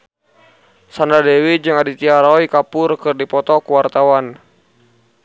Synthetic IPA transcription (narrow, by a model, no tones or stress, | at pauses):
sandadɛwid͡ʒɨŋadit̪iaɾɔikapʊrkɨrdipɔt̪ɔkuwart̪awan